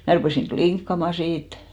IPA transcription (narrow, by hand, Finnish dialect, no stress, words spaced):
mæ rupeˑsiŋ kliŋkːɑmɑ siːt